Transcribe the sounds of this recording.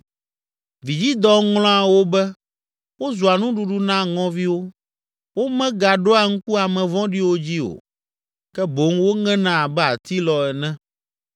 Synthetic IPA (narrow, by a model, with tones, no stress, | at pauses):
vi˨d͡ʑi˦d̪ɔ˦ŋlɔ̃˦a˨wo˦bɛ˦ | wo˦zu˨a˨nũ˦ɖu˨ɖu˦nã˦ŋɔ̃˦vi˦wo˦ | wo˦mɛ̃˦ɡa˨ɖo˦a˨ŋ̩˦ku˦a˨mɛ̃˨vɔ̃˦ɖi˦wo˦d͡ʑi˦o̰˨ | kɛ˦bo˨˦ŋwo˦ŋɛ̃˦nã˦˨bɛ˦a˨t̪i˦lɔ˨ɛ˨nɛ̃˦